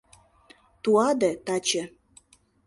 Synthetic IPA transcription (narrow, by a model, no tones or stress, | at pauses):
t̪uɑd̪et̪ɑt͡ɕə̆